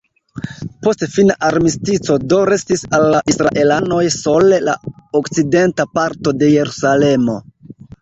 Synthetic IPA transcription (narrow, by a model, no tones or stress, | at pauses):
po̞stfinaʔaɾmistit͡so̞do̞ɾe̞stisalːaʔisɾa̰ʔe̞lano̞jso̞le̞la̰okt͡side̞ntapaɾto̞de̞je̞ɾusale̞mo̞̰